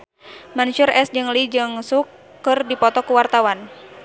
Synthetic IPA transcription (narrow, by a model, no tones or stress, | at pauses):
manuʃurɛsd͡ʒɨŋlid͡ʒɨŋsukː | ɨrdipɔt̪ɔkuwart̪awan